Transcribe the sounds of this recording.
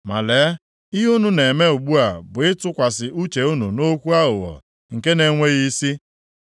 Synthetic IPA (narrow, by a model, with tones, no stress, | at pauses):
ma̰˨leː˨˦ | ɪ˦ɦu˦nu˦ne˨me˦u˨ɡ͡bu˦a˨bʊ˨ɪ˦tʊ˦kʷa˨sɪ˨ʔu˦t͡ʃe˨u˦nṵ˨no˦kʷu˦a˦ɦʊ˨ɣɔ̰˨ | ŋ̩˨ke˦ne˨˦ŋʷe˦ɣi˦si˦